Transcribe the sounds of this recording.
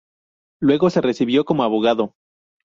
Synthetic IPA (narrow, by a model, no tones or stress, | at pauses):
lwe̞ɣo̞se̞re̞siβjo̞ko̞moaβo̞ɣaðo̞